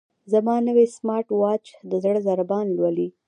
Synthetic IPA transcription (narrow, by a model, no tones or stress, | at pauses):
zamɑnəwesmɑɾʈwɑt͡ʃd̪əzəɽzaɾabɑnlwali